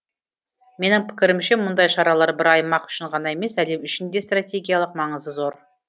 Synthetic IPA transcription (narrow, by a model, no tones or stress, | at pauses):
me̞nɪŋpʰɪ̥kʲɪɾɪmʃe̞mʊnd̪ɑjʃɑɾɑlˠɑɾbɪɾɑjmɑqʏ̥ʃɪɴʁɑnɑe̞me̞sæle̞mʏʃɪnd̪est̪rat̪ʲe̞ɡʲijalˠəq̚mɑɴəzd̪əzo̞ɾ